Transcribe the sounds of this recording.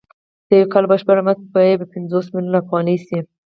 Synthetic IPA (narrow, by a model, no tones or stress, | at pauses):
sewkalbɑʃbaɾamat̪pɑebəpɪnzosmilunafɣɑnisi